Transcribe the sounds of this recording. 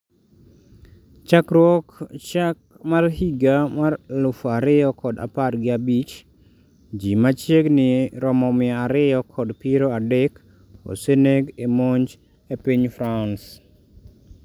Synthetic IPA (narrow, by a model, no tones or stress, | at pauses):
t͡ʃakɾwɔkt͡ʃak̚ | marhiɡamarlʊfaɾɪjɔkʰɔda̰parɡɪabit͡ʃ | d͡ʒimat͡ʃjeɡnɪɾɔmɔmɪaaɾɪjɔkʰɔdpiɾoadɛk | o̰seneɡemoɲd͡ʒ | epiɲfɾans